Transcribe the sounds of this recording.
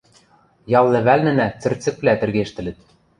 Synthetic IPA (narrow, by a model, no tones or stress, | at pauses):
jɑlˠːɘ̆βælnɘ̆næt͡sɘ̆rt͡sɘ̆k̚plæt̪ɘ̆rɣeʃt̪ɘ̆lɘ̆t̪